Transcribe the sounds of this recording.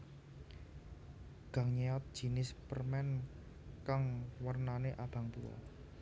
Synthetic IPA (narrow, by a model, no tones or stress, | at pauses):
ɡ̥ä̤ŋɲeɔt̪̚d̥ʒ̥i̤nɪspərmɛn | kaŋwərnaneʔab̥ä̤ŋt̪ua̰